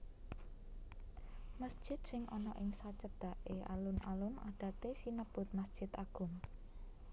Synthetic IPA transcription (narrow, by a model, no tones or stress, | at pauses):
məsd̥ʒ̥ɪ̤t̪̚sɪŋʔɔnɔʔɪŋsat͡ʃəd̪̥a̤ʔeʔa̰lʊnʔalʊmaɖ̥ä̤t̪esinəb̥ʊ̤t̪̚məsd̥ʒ̥ɪ̤t̪aɡ̥ʊ̤m